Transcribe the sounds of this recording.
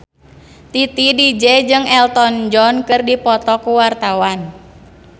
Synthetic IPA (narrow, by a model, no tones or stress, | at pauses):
t̪it̪idid͡ʒɛd͡ʒɨŋɛlt̪ɔnd͡ʒɔnkɨrdipɔt̪ɔkuwart̪awan